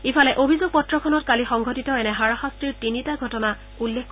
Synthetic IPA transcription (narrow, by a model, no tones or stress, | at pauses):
ipʰalɛʔobʱizoɡ̚pɔtɹɔkʰɔnɔtkalixɔŋɡʱɔtitɔɛnɛɦaɹaxastɹiɹtinitaɡʱɔtɔna | ulːekː